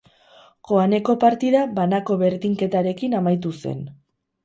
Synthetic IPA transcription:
ko̞ane̞ko̞paɾt̪iðabanako̞βe̞ɾðiŋke̞t̪aɾe̞kinamajt̪̬use̞̰n

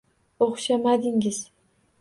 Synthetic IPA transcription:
oχʃamad̪ɪŋɪz̥

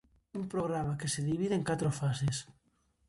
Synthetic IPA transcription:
uŋpɾoɣɾamakeseðiβiðeeŋkat̪ɾofases

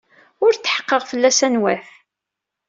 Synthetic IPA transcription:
ʊɾt͡sːħə̥qːəʁfəlːæsænwæθ

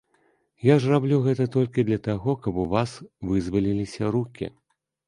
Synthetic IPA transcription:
jaʐrablʲuɣɛt̪ɐt̪ɔlʲkʲid̪lʲɐt̪aɣɔkɐbuvasvɨzvɐlʲilʲisʲɐɾukʲḭ

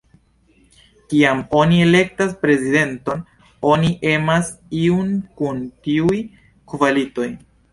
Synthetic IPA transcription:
kiamo̞nie̞le̞k̚taspɾe̞zide̞nto̞n | o̞niʔe̞masiunkuntiuj | kuvalito̞j

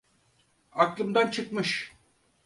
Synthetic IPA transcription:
aklˠɯmd̪ant͡ʃʰɯkmɯʃ

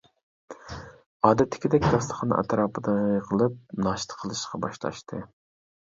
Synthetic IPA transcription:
ɑːd̪ɛt̪ʰːɪ̥kʲid̪ɛkʲd̪ɑslˠəχʰɑnɑ̰t̪ʰɾɑːpʰɨd̪ɑəqʰəlˠɨp̚nɑːʃt̪ʰə̥qʰəlˠɨʃqʰɑbɑ̰ʃlˠɑ̰ʃt̪ʰɨ

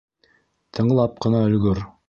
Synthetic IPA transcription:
t̪ʰɤ̆ɴɤ̆lˠɑp̚qɤ̆nɑɵ̆lɡɵɾ

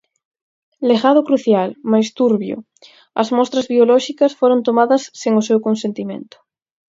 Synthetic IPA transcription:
leɣaðʊkɾuθjalmajst̪uɾβjʊ̰ | ɐ̰zmɔst̪ɾɐzβiolɔʃikɐsfoɾont̪omaðɐsːeŋʊsewkonsẽnt̪imḛ̃nt̪ʊ̥

